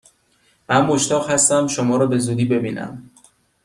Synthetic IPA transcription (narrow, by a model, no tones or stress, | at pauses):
mænmoʃt̪ɒːʁhæst̪æmʃomɒːɾɒːbe̞zuːd̪iːbe̞biːnʔæ̰m